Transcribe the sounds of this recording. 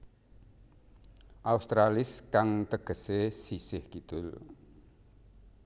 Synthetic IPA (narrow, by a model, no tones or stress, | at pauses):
ʔaust̪ɾalɪskaŋt̪əɡ̥ə̤sesisɪhkid̪̥ʊl